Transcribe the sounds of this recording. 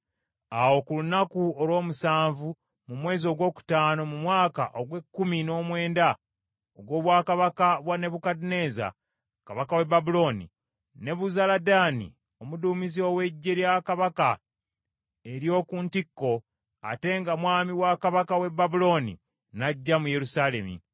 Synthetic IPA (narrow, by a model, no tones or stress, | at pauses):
awo̞kulunakuolwo̞ːmusaːɱvu | mumwe̞ːzio̞ɡwo̞ːku̥taːno̞mumwaːka̰ʔoɡwe̞kːumino̞ːmwe̞ːnda | oɡwo̞ːβwaːkaβakaβwane̞βukadine̞za̰ | kaβakawe̞babulo̞ːnḭ | ne̞βuzaladaːnḭ | o̞muduːmizio̞we̞ɟːe̞ljakaβaka | eɾjo̞ːkuːntikːo̞ | a̰te̞ŋɡamwaːmiwakaβakawe̞bːabulo̞nḭ | naɟːamuje̞ɾusaːle̞mḭ